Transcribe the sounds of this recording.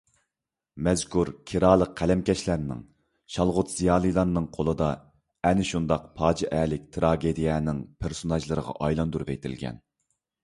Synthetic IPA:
mɛzkʰuɾkʲʰiɾɑːlˠəqʰːælɛmkʲɛʃlæɾnɪ̰ŋ | ʃɑlˠʁʊt̪z̥ijɑːlˠɨlˠɑɾnɨŋqʰolˠɨd̪ɑ | ɛnɪʃund̪ɑq̚pʰɑːd͡ʒiʔɛlɪk̚ʲt̪ʰɾɑːɡʲed̪ijɛnɪŋpʰeɾsonɑʒlˠɨɾəʁɑ̰ʔɑjlˠɑnd̪uɾupḛt̪ʰɪ̰lɡʲɛ̰n

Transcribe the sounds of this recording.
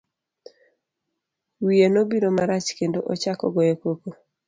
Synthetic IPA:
wijenobiɾomaɾat͡ʃkendoʔɔt͡ʃakɔ̰ɡɔjekoko

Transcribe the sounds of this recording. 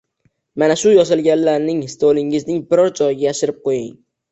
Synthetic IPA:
manaʃʊjɒsɪlˠɡʲanlːaɾnɪŋst̪olɪŋɪznɪŋbɪɾɒɾd͡ʒɒjɪɡʲajaʃɪɾɪp̚qʰojɪŋ

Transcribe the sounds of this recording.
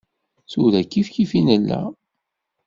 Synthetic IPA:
θuðækːifkifinəlːæ̰

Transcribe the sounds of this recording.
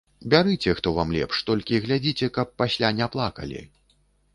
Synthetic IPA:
bʲaɾɨt͡sʲɛxt̪ɔvamlʲɛ̰pʂt̪ɔlʲkʲiɣlʲad͡zʲit͡sʲɛkɐpːasʲlʲanʲaplˠakɐ̰lʲḭ

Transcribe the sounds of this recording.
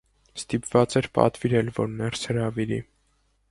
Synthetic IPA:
st̪ipv̥ɑt͡sɛɾpɑ̰t̪viɾɛlvɔ̰ɾnɛrshəɾɑviɾḭ

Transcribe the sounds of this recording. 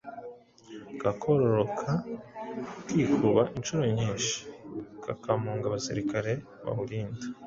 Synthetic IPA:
kakʰoɾoɾokʰa | kiːkʰuɾβaʔinʃuɾo̞ɲiːnʃi̥kakamuːŋɡaβasḭɾikaɾe̞ | βa̰βuɾiːnda

